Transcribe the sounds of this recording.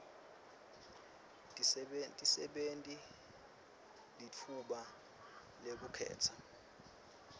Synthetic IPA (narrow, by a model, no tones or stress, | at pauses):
tʼisɛɓentʼi | lit͡fʰuɓa | lek̬ukʰɛ̰ːt͡sʰa